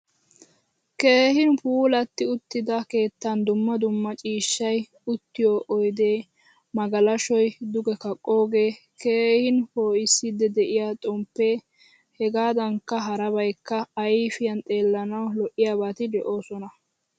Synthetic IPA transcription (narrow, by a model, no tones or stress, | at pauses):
ke̞ːhɪnpuːlɐt̪ːɪʊt̪ːɪd̪ɐke̞ːt̪ːɐnd̪ʊmːɐd̪ʊmːɐt͡ʃʼiːʃːɐj | ʊt̪ːɪjoːʔɔjd̪eː | mɐɡɐlɐʃɔjd̪ʊɡɛkɐkʼːo̞ːɡe̞ː | ke̞ːhɪnpoːʔɪsːɪd̪ɛd̪ɛʔɪjaːt̪ʼɔmpːeː | hɛɡaːd̪ɐŋkːɐɦɐɾɐbɐjkːɐːjfɪjɐnt̪ʼe̞ːlːɐnɐwlɔʔɪjaːbaːt̪ɪd̪ɛʔo̞ːsɔnɐ